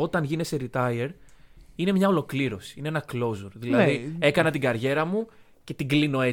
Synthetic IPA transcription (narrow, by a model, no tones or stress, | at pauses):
o̞t̪ɐnʝineseɾit̪ɐieɾine̞mɲɐo̞lo̞kliɾo̞si̥ineenɐklo̞zuɾðilɐðie̞kɐnɐt̪iɡɐɾʝe̞ɾɐmu | ce̞t̪iɡlino̞e̞